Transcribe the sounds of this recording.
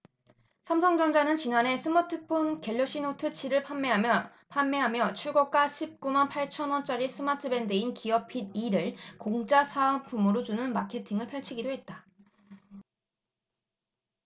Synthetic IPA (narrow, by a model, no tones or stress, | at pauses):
sʰamsʰʌŋd͡ʑʌŋd͡ʑanɯnt͡ɕinane̞sʰɯmatʰɯpʰonkeʎːoɕ͈inotʰɯt͡ɕʰiɾɯɭ | pʰanːeɦamjʌt͡ɕʰuɭɡʌk͈aɕʰip̚k͈umanpʰaɭt͡ɕʰʌnwʌnt͡ɕ͈aɾis͈ʰɯmatʰɯbe̞ndɯinkiʌpʰid̚iɾɯɭkoŋd͡ʑasʰaɯmpʰumɯɾot͡ɕunɯnmakʰe̞tʰiŋɯɭpʰjʌɭt͡ɕʰiɡidoɦe̞t̚t͈a